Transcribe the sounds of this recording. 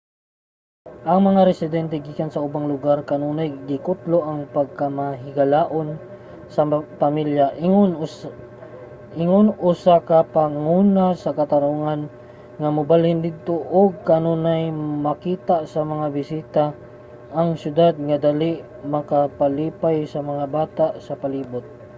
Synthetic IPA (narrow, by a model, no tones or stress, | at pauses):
ʔɐŋmɐŋaɾɛsɪd̪ɛnt̪ɛɡiːkansɐʔʊbaŋlʊɡaɾkɐnuːnajɡɪkʊt̪loʔɐŋpɐɡ̚kamaɦɪɡɐlaːʔon | sɐpɐmiljaʔ | ʔɪŋonʔʊsakɐpaŋuːnasɐkɐt̪ɐɾuŋan | ŋɐmʊbalhɪnd̪ɪd̪̚t̪oʔoɡ̚kɐnonajmɐkiːt̪asɐmɐŋabɪsiːt̪a | ʔːŋsjʊd̪ad̪̚ŋɐd̪aliʔ | mɐkapaliːpajsɐmɐŋabaːt̪aʔsɐpɐliːbʊt̪̚